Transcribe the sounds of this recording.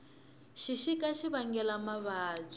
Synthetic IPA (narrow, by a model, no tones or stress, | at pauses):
ʃiʃikaʃiβaŋɡɛlamaβaːd͡zi